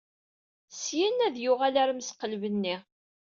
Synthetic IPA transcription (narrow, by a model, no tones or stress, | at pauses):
sjænːæðjʊʁælæɾmsqəlvənːɪ